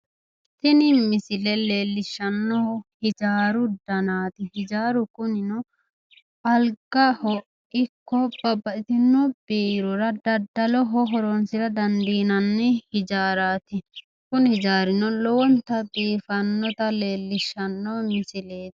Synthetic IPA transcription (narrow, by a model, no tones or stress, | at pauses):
t̪ɪnɪmɪsɪlɛle̞ːlːɪʃːɐnːɔhɪd͡ʒaːɾʊd̪ɐnaːt̪ɪhɪd͡ʒaːɾʊkʊnɪnɔ | ɐlɡɐhɔ | ɪkːɔb̥ɐbɐɪt̪ɪnːɔb̥eːɾɔɾɐd̪ɐd̪ːɐlɔɦɔɦɔɾɔnsɪɾɐd̪ɐnd̪iːnɐnːɛhɪd͡ʒaːɾaːt̪ɪ | kʊnhɪd͡ʒaːɾɪnɔlɔwɔnt̪ɐd̪iːfɐnːɔt̪ɐle̞ːlːɪʃːɐnːɔmɪsɪle̥ː